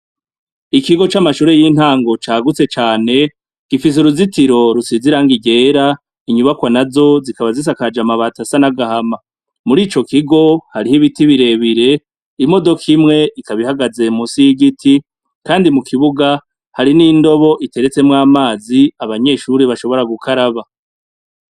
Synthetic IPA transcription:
ikiɡo̞t͡ʃamaʃuːɾe̞jiːn̥haːŋɡo̞t͡ʃaːɡut͡se̞t͡ʃaːne̞ | ɡ̥ifis̬uɾuzitiɾo̞ɾusiziɾaŋɡiɟe̞ːɾa | iɲuβakwanazo̞zikaβazis̬akad͡ʒamaβatasanaɡahama | muɾiːt͡ʃo̞kiɡo̞haɾihiβitiβiɾe̞βiɾe̞ | imo̞do̞kʰimŋe̞ʔikaβihaɡaze̞musiɡitʰi | kaːndimukʰiβuɡa | haɾinindo̞βo̞ʔite̞ɾe̞t͡se̞mŋaːmaːziaβaɲe̞ːʃuɾiβaʃo̞βo̞ɾaɡukʰaɾaβa

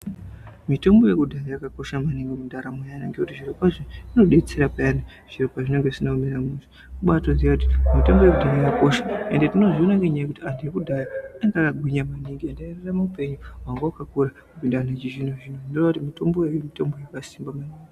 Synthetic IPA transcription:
mito̞mbo̞je̞kudʱaɾajakako̞ʃamaniŋɡikudʱaɾamojanaŋɡekutiʐiɾopaʐiino̞ɗet͡seɾapaana | ʐ̥iɾopaʐine̞ŋɡeʐisinamiɾamuzi | kuɓatonziakuti̥mitombo̞je̞kudʱaɾajakako̞ʃḁendetino̞ʐionaŋɡeɲajkutiandiekudʱajaaŋɡakaɡʱwiɲamaniŋɡiandaereramaupe̞ɲuwaŋɡawakakuɾakupindanat͡ʃiʐinoʐinonderakutimito̞mbo̞jemito̞mbo̞jakasimbamaniːŋɡi

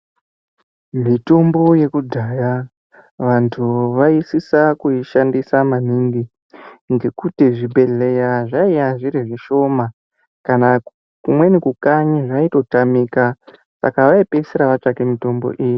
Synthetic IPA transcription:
mito̞mbo̞je̞kudʱaːja | ʋantʰuʋaisisakuiʃandisamaniŋɡi | ŋɡe̞kutiʐibʱe̞ɮe̞jaʐaijaʐiɾiʐiʃo̞ma | kana | kumwe̞nekukaɲiʐaito̞tamiːka | sa̰kaʋaipesiɾaʋat͡ʂakemito̞mbo̞̰ʔiji

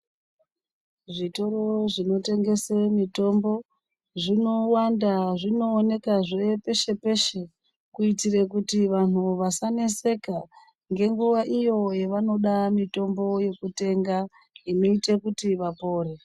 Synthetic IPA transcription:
ʐito̞ro̞ʐino̞te̞ŋɡe̞semito̞mbo̞ | ʐino̞wandaʐino̞ːne̞kaʐepe̞ʃe̞pe̞ʃe̞ | kuitirekutiʋan̤uʋasane̞se̞ka | ŋɡe̞ŋɡuʋaʔijo̞jeʋano̞ɗamito̞mbo̞je̞kute̞ŋɡa | ino̞itekutiʋapo̞ːɾe̞

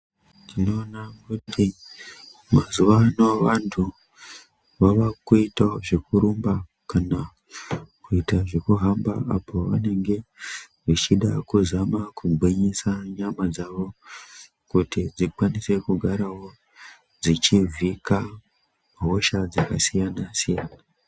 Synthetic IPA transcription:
tino̞ːnakutʰi | mazuʋanoʋantʰu | ʋaʋakuitaʐekuɾumba | kana | kuitaʐekuɦamba̰apʰo̞ʋane̞ŋɡe̞ | ʋit͡ʃiɗakuzamakʰuɡʱweɲesaɲamad͡zaʋo̞ | kutid͡zikwanise̞kuɡʱaɾawo̞ | d͡zit͡ʃivika | mɦoʃad͡zakasijanasijaːna

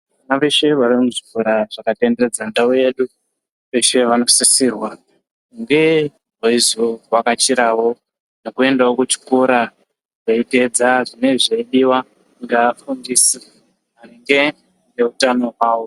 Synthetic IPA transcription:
ʋanaʋe̞ʃe̞ʋarimuʐikuɾaʐ̥akatendered͡zandauje̞ɗu | ʋe̞ʃe̞ʋano̞sisiːrwa | ŋɡe̞ | ɦaizowakat͡ʃiɾawo̞ | nokue̞ndaokut͡ʃi̥koɾa | ʐ̥aite̞d͡zaʐine̞ʐeiɗiwa | ŋɡeːfundisi | aɾiŋɡe̞ | neutano̞waːwo

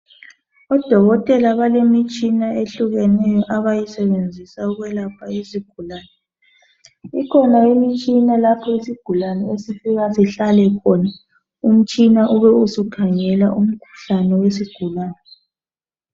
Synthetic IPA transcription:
ɔd̥ʱɔɣɔtʼɛlaβalemit͡ʃʼinaeɬuɣɛnɛjɔʔaβajisɛβend͡zʱisauɣwɛlapʰaiziɡ̥ʱulaːnɛ | ikʰɔnaimit͡ʃʼinalapʰɔisiɡ̥ʱulanɛesifiɣasiɬalɛkʰɔna | um̩t͡ʃʼinaʔuβɛusukʰaŋɛlaʔum̩kʰu̥ɬanɛwesiɡ̥ʱulaːnɛ

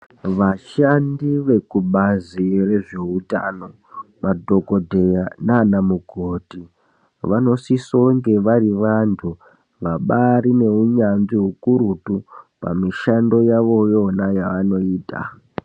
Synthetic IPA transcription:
ʋaʃandiʋe̞kuɓazire̞ʐe̞uta̰no̞ | madʱo̞kodʱe̞jananamuɡʱoːti | ʋano̞sisoŋɡeʋariʋantʰu | ʋaɓaɾine̞uɲanʐiɦukuɾutupa̰miʃando̞jaʋo̞jo̞najaʋano̞iːta̰

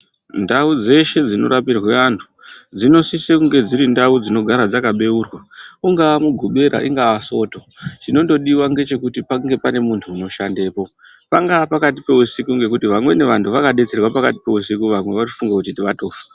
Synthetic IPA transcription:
ndaud͡ze̞ʃe̞d͡zino̞̰ɾapirweantʰu̥d͡zino̞sisekuŋɡe̞d͡ziɾindaud͡zino̞ɡʱaɾad͡zakaɓe̞uːrwauŋɡaːmuɡʱuɓe̞ɾʔa̰ʔḭŋɡaaso̞ːto̞ | t͡ʃino̞ndo̞ɗiwaŋɡe̞t͡ʃe̞kutipaŋɡe̞pane̞muntʰuːno̞ʃande̞ːpo̞ | paŋɡapakatipe̞usikuŋɡe̞kutiʋamwe̞ne̞ʋantʰuʋakaɗe̞t͡se̞rwapakati̥pe̞usikuʋamwe̞ʋat͡ʃi̥fuŋɡakutitiʋato̞ːfḁ

